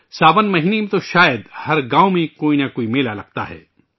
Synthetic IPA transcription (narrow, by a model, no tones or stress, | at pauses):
saːbənmɐɦiːnemẽt̪oʃaːjəd̪hɐɾɡaːõmẽkoːinakoːimeːlalɐɡ̚t̪a̰ɦɛ̰ː